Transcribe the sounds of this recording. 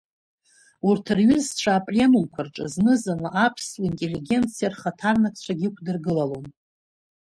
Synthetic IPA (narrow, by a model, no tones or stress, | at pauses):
urtʰɨrɥʏzt͡ʃʷʰaːpʼrʲenulkʷʰarʈ͡ʂʼɨznɨzanaʔapʰsluintʼe̞lːiɡʲe̞nt͡sʰijarχatʰarnakʰʼt͡ɕʷʰaɡʲɪkʷʰdɨrɡɨlalon